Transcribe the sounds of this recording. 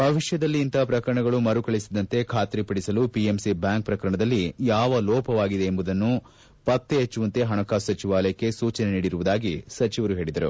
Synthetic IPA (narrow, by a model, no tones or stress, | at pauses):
bʱɐʋiʂjɐd̪ɐlːiːnt̪ɐpɾɐkɐɾɐɳɐɡɐɭumɐɾukɐɭisid̪ɐnt̪e̞kʰaːt̪ɾipɐɽisɐlupiemsibjaːŋk̚pɾɐkɐɾɐɳɐd̪ɐlːijaːʋɐlɔːpɐʋaːɡid̪e̞ːmbud̪ɐnːu | pɐt̪ːeːt͡ʃːuʋɐnt̪e̞ɦɐɳɐkaːsɐt͡ʃiʋaːlɐjɐkːe̞suːt͡ʃɐneniːɽiɾuʋud̪aːɡisɐt͡ʃiʋɐɾuɦe̞ːɭid̪ɐɾṵ